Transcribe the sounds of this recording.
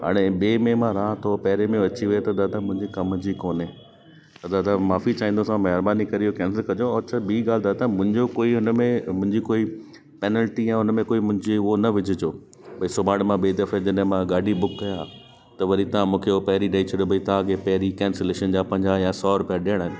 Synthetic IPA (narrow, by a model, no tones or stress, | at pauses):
ɦa̰ːɽ̃eɓeːmẽmãɾãːt̪ʰopɐɦɾemẽʋɐt͡ɕiʋet̪ɐd̪aːt̪amʊ̃ɦɪ̃ɲd͡ʑikɐmd͡ʑikoːnẽ | t̪ɐd̪ad̪ãmaːfit͡ɕaːĩːn̆d̪osãmɐɦɪɾbaːnikɐɾiokɛ̃ːnsəlkɐd͡ʑot͡ɕʰabʱiːɡaːl̤d̪aːt̪amʊ̃ɦɪ̃ɲd͡ʑokoːiʊnmẽmʊ̃ɦɪ̃ɲd͡ʑikoːi | pɛːnəlʈiɛ̃ːʊnmẽkoːimʊ̃ɦɪ̃ɲd͡ʑeʊɦonɐʋɪd͡ʑʱʊd͡ʑoː | pɐisʊbaːɽ̃mãɓeːd̪ɐfed͡ʑɐɗɦẽmãɡaːɖʱibʊkːɐja | t̪ɐʋɐɾit̪ɐãmũːkʰeopɐɦɪɾiɖaːit͡ɕʰəɗobɐit̪ɐãɡepɐɦɪɾikɛ̃ːnseleːʃənd͡ʑaːpɐ̃ɦɪ̃ɲd͡ʑajãsɔːɾʊpijaɗiəɽ̃əɪnɪ̆